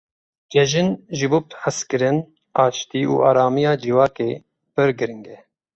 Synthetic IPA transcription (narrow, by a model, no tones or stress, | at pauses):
d͡ʒɛʒɪnʒɨbub̚t̪ħɨskɨɾɨn | ɑːt͡ʃt̪iːṵːʔɑːɾɑːmijɑːd͡ʒiwɑːkeː | pɨɾɡɨɾɨŋɡɛ